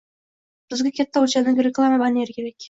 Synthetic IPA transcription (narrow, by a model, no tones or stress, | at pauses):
b̥ɪzɡʲekʲʰet̪ːawt͡ʃanɪŋɡʲɾʲeklˠamabɑneɾkʲeɾekʲ